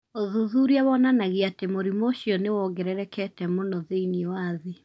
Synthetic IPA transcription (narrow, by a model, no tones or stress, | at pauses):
oðuðuɾiawɔnanaɣiatemoɾimoʃiɔnewɔɡɛɾɛɾɛkɛtɛmonɔðeiniɔwaði